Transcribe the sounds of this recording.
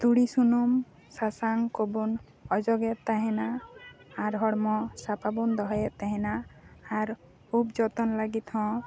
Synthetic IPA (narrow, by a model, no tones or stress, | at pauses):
t̪uɽisunum | sasaŋkobun | ɔd͡ʒɔɡɛt̪aɦɛ̃naː | ɾɦɔɽmɔsapabɔnd̪ɔɦɔjɛt̪ːaɦɛ̃naːɾ | upd͡ʒɔt̪ɔnlaɡit̪hɔ̃